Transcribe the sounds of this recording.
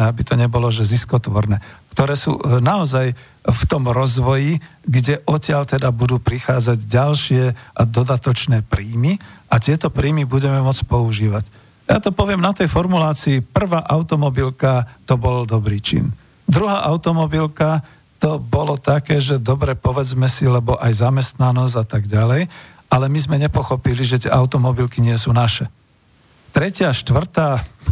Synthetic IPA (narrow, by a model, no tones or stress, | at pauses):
ɛabit̪ɔɲɛbɔlɔʒɛziskɔt̪ʋɔɾnɛːkt̪ɔɾɛːsṵːnaɔzaj | ft̪ɔmɾɔzʋɔjiɡɟɛʔɔcɪaʎt̪ɛd̪abud̪uːpɾixaːd͡zaɟɟalʃɪɛʔad̪ɔd̪at̪ɔt͡ʃnɛːpɾiːmiʔat̪ɪɛt̪ɔpɾiːmibuɟɛmɛmɔt͡spɔuʒiːʋac | jat̪ɔpɔʋɪɛmnat̪ɛjfɔɾmulaːt͡siːpr̩ʋaːʔaʊt̪ɔmɔbilkat̪ɔbɔld̪ɔbɾiːt͡ʃḭn | d̪ɾuɦaːʔaʊt̪ɔmɔbilka | t̪ɔbɔlɔt̪akɛːʒɛd̪ɔbɾɛpɔʋɛd͡zmɛsilɛbɔʔajzamɛst̪nanɔzat̪aɡɟalɛj | alɛmizmɛɲɛpɔxɔpiliʒɛt̪ɪɛ̰ʔaʊt̪ɔmɔbilkiɲɪɛsuːnaʃɛ | t̪ɾɛcɪaʃt̪ʋr̩t̪aː